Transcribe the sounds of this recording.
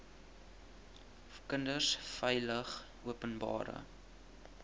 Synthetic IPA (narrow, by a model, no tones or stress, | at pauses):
kəndərsfəjləχ | uəpənbɑ̰ːɾə̰